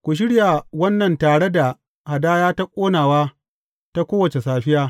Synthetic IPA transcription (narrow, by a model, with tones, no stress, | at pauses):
kʷu˨ʃ̬ɪ˦ɽja˨wɐ˦nːɐ˨ntaː˨ɽe˦da˨ | ha˨daː˦jaː˦ta˦kʷʼoː˦naː˨waː˦ | ta˦kʷoː˦wɐ˨t͡ʃe˨saː˨ɸɪ˦jaː˦